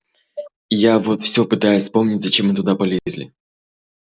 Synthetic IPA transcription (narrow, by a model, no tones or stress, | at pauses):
javo̞t̪fsʲo̞pɨt̪ajʊsʲspo̞mnʲɪtʲzɐt͡ɕemːɨt̪ʊd̪apɐlʲezʲlʲɪ̰